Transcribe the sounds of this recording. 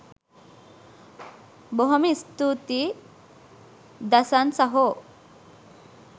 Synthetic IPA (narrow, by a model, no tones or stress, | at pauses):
boɦomist̪ut̪i | d̪ɐsansɐɦo